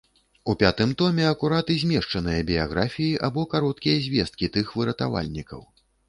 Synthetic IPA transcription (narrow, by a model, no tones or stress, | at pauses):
upʲat̪ɨmt̪ɔmʲɛɐkuɾat̪ɨzʲmʲɛʂt͡ʂɐnɨjɐbʲijaɣɾʔafʲijiʔabɔkaɾɔt̪kʲijɐzʲvʲɛst̪̚kʲit̪ɨxvɨɾɐt̪a̰va̰lʲnʲikɐ̰w